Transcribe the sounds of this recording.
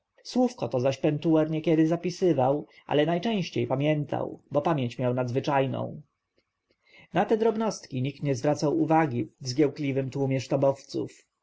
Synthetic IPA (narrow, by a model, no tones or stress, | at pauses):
swufkɔt̪ɔzaɕpɛnt̪uwɛɾɲɛkʲɛd̪ɘzapʲisɘvaw | ʔa̰lɛnajt͡ʂɛ̃w̃ɕt͡ɕejpamʲjɛnt̪ʰa̰wbɔpamʲjeɲt͡ɕmʲjawnad̪zvɘt͡ʂajnɔ̰̃w̃ | nat̪ɛd̪ɾɔbnɔst̪kʲiɲik̚t̪ɲɛzvɾat̪sawuvaɡʲivzɡʲjɛwklʲivɘmt̪wumʲjɛʂt̪ɔbɔft̪sṵf